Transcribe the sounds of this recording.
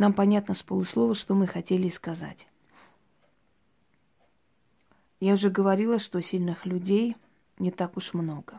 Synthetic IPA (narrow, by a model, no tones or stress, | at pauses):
nampɐnʲat̪nəspəlˠʊslˠo̞vəʂt̪o̞mɨxɐtʲelʲɪskɐza̰tʲ | jaʊʐɛɡəvɐɾʲilˠəʂt̪o̞sʲilʲnɨxlʲʉdʲej | nʲɪt̪akʊʂmno̞ɡə